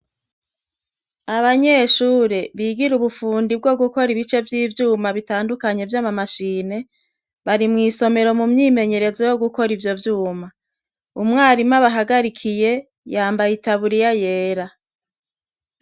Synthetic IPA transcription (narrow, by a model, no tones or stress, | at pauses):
aβaɲe̞ːʃuːɾeβiːɡiɾuβufuːndib̚ɡo̞ɡuko̞ɾiβit͡ʃe̞vjiːvjuːmaβitaːndukaɲe̞vjamamaʃiːne̞ | βaɾimŋiːso̞me̞ɾo̞mumɲiːme̞ɲe̞ɾe̞zo̞jo̞ɡuko̞ɾivjo̞vjuːma | umŋaːɾimaβaɦaɡaɾikʰije̞ | jaːmbajitaβuɾijaje̞ːɾa